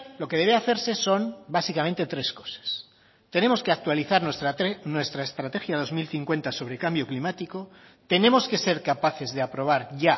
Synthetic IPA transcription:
lo̞ke̞ð̞e̞βe̞aθe̞ɾse̞so̞mbasikamẽnt̪e̞t̪ɾe̞sko̞̥sḁs | t̪ene̞mo̞skeak̚t̪waliθaɾnnwe̞st̪ɾaest̪ɾat̪exjað̞o̞zmilθiŋkwe̞nt̪aso̞βɾekambjo̞klimat̪iko̞ | t̪e̞nẽ̞mo̞ske̞se̞ɾkapaθe̞zðeapɾo̞β̞aɾʝa

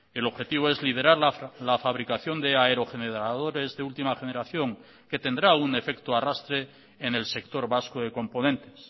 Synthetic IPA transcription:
e̞lo̞βxe̞t̪iβ̞oe̞zlið̞e̞ɾaɾlafaβ̞ɾikaθjo̞nd̪e̞aeɾo̞xe̞neðɾaðo̞ɾe̞zðeult̪imaχene̞ɾaθjo̞ŋ | ke̞t̪e̞nd̪ɾaune̞fe̞kt̪oarast̪ɾe̞ː | ne̞lse̞k̚t̪o̞ɾβaskoðe̞ko̞mpo̞nẽ̞nt̪e̞̥s

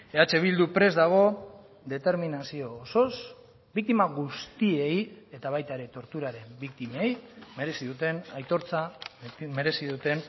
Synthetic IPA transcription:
e̞at͡se̞β̞ild̪upɾe̞zd̪aɣ̞o̞ | d̪e̞t̪e̞ɾminasio̞ːso̞s | bik̚t̪imaɣust̪ie̞je̞t̪aβajt̪aɾe̞t̪o̞ɾt̪uɾaɾe̞mbik̚t̪imejme̞ɾe̞siðut̪e̞najt̪o̞ɾt͡same̞ɾe̞siðut̪e̞n

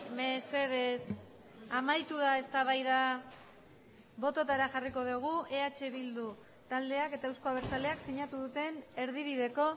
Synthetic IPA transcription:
me̞se̞ð̞e̞s | amajt̪uð̞ae̞st̪aβ̞ajða | βo̞t̪o̞t̪aɾaʝariko̞ð̞uɣ̞uʔe̞at͡ʃe̞βild̪u | t̪ald̪e̞ake̞t̪aewsko̞aβeɾt͡sale̞aksiɲat̪uðut̪e̞ne̞ɾðiβið̞e̞ko̞

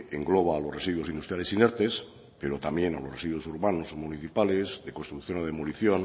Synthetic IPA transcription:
eŋɡloβ̞aːlosresiðwo̞sind̪ust̪ɾjalesineɾt̪es | peɾot̪amje̞na̰loresiðwosuɾβanosmuniθipalezðe̞konst̪ɾukθjonoðemoliθjon

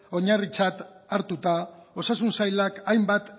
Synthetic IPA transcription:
o̞ɲarit͡sat̪aɾt̪ut̪ao̞sasunsajlakajmbat̪

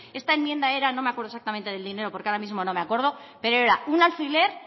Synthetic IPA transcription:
e̞st̪aenmje̞nd̪ae̞ɾano̞meakweɾðesak̚t̪amẽ̞nt̪eð̞e̞ld̪ine̞ɾo̞po̞ɾkeaoɾamizmo̞no̞meakwe̞ɾð̞o̞ | pe̞ɾoe̞ɾaunalfile̞ɾ

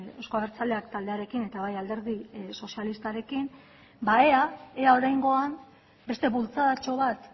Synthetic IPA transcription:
ewskoaβeɾt͡sald̪e̞akt̪ald̪e̞aɾe̞kine̞t̪aβajald̪e̞ɾðiso̞sialist̪aɾe̞kim | baeaeao̞ɾajŋɡo̞am | be̞st̪e̞βult͡saðat͡ʃo̞β̞at̪

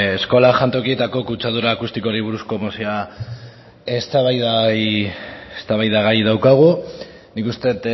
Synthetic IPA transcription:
esko̞laʝant̪okiet̪ako̞kut͡ʃaðuɾaːkust̪iko̞ɾiβ̞uɾusko̞mosia | est̪aβajðajest̪aβajðaɣajðawkaɣ̞u | nikust̪e̞t̪

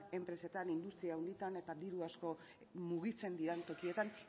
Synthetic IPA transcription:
e̞mpɾe̞se̞t̪anind̪ust̪ɾiaːwnd̪it̪ane̞t̪ad̪iɾuasko̞ | muɣit͡se̞nd̪iɾent̪o̞kie̞t̪an

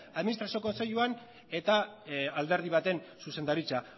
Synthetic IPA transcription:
aðminist̪ɾasioko̞nse̞ʎuan | e̞t̪aald̪e̞ɾðiβ̞at̪e̞nsuse̞nd̪aɾit͡sa

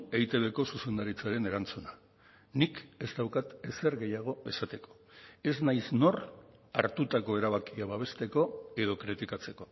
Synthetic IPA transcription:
ejt̪e̞βe̞ko̞suse̞nd̪aɾit͡saɾe̞ne̞ɾant͡suna | nike̞zd̪awkat̪e̞se̞ɾɣe̞jaɣ̞o̞e̞sat̪e̞ko̞̥ | e̞znajsno̞ra̰ɾt̪ut̪ako̞e̞ɾaβ̞akiaβaβ̞e̞st̪e̞ko̞e̞ð̞o̞kɾit̪ikat͡se̞ko̞

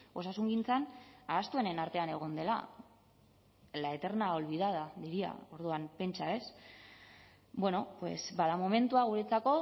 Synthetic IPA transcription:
o̞sasuŋɡint͡sanaːst̪ue̞ne̞naɾt̪e̞ane̞ɣ̞o̞nd̪e̞la̰ | laet̪e̞ɾnao̞lβiðað̞aðiɾia̰o̞ɾðuampe̞nt͡ʃae̞s | bwe̞no̞pwe̞̰sbað̞amo̞me̞nt̪uaɣuɾet͡sako̞

